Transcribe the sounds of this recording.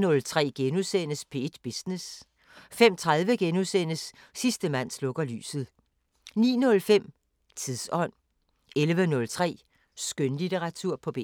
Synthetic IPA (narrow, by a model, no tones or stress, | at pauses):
nɔ̽lt͡sʰʁɛ̰ːɡ̥enusen̰əspʰe̝d̥b̥isnes | fem̰t͡sʰʁaðˠʋəɡ̥enusen̰əsː | isd̥əmæn̰slɔ̽ɡ̥ɐly̰ːsð̞̩ˠ | nḭːnɔ̽lfem̰ | t͡sʰiðˠsɒ̽n̰ | elʋənɔ̽lt͡sʰʁɛ̰ː | sɡ̥ønlit͡seʁɑ̈t͡sʰuɐ̰pʰɒ̽b̥ḛː